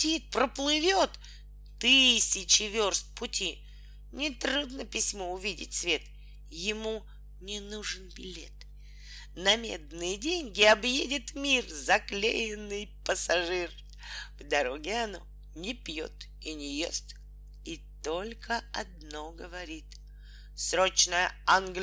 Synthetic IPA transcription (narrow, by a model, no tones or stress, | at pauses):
tʲit̪̚pɾəplˠɨvʲot̪ | t̪ɨsʲɪt͡ɕɪvʲorst̪̚ʲpʊtʲi | nʲɪt̪ɾud̪nəpʲɪsʲmoʊvʲidʲɪ̰tʲsvʲe̞t̪ | jɪmu | nʲɪnuʐɨnbʲɪlʲe̞t̪ | nɐmʲḛd̪nɨjɪdʲenʲɡʲɪɐbjedʲɪt̪mʲirzɐklʲḛjɪnːɨjpəsɐʐɨr | vd̪ɐɾoɡʲɪɐno̰ | nʲɪpʲjo̞̰t̪ | inʲɪjḛst̪ | it̪olʲkʰəɐd̪noɡəvɐɾʲit̪ | sɾot͡ɕnəjəanɡlʲ